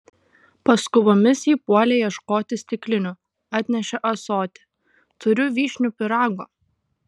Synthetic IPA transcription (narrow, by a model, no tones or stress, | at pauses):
pɐskʊʋomʲɪsiːpuɔlʲɛjɛʃkoːt̪ʲɪsʲt̪ʲɪklʲɪnʲʊ | ɑːt̪ʲnʲɛʃʲɛʔɐsoːt̪ʲɪ̥ | t̪ʊɾʲʊʋʲiːʃʲnʲʊpʲɪɾɑːɡoː